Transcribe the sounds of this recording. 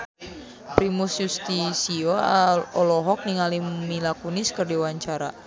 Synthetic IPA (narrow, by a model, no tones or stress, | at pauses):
pɾimusjust̪isioɔlɔɦɔk̚niŋalimilakuniskɨrdiwaɲt͡ʃaɾa